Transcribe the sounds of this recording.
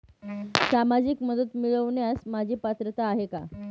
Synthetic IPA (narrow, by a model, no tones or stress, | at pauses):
samad͡ʑikməd̪ət̪miɭəʋɳjasmad͡ʑʱiːpat̪ɾət̪aːɦeka̰